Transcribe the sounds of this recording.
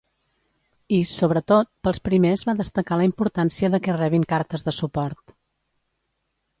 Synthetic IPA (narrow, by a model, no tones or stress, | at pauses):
isoβɾət̪ot̪̚pəlˠspɾimezβaðəst̪əkaləimpuɾt̪ansiəðəkɛrɛβiŋkaɾt̪əzðəsupɔɾt̪